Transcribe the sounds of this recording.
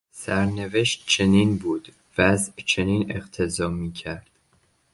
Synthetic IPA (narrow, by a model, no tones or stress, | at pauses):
sæɾne̞ve̞ʃt̪̚t͡ʃʰe̞niːnbuːd̪̥ | væzʔt͡ʃʰe̞niːne̞qt̪ʰe̞zɒːmiːcʰæɾd̪̥